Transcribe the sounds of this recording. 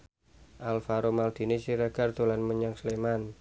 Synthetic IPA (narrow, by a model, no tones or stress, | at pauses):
ʔalfaɾomald̪̥i̤nisiɾaɡ̥a̤rd̪̥o̤lanməɲaŋsleman